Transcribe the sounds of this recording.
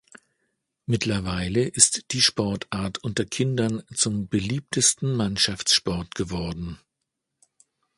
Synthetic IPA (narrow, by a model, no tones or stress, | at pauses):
mɪtʰlɐvaɪləʔɪstd̥iːʃpɔɐtʔaːɐtʰʔʊntɐkʰɪndɐnt͡sʊmbəliːp̚tʰəstn̩manʃaft͡sʃpɔɐtɡ̥əvɔɐdn̩